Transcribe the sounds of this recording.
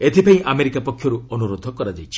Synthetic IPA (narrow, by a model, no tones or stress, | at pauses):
et̪ʰipaĩʔameɾikapɔkʰːjɔɾuɔnuɾod̪ʱɔkɔɾad͡ʒajt͡ʃʰi̥